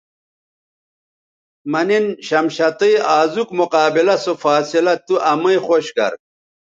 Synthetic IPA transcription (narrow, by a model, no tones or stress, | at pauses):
mɐninɕɐmɕɐt̪iiaːzukmuqaːbilɐsofaːsilɐt̪uʔɐmɐixoɕɡɐ̰ɾ̚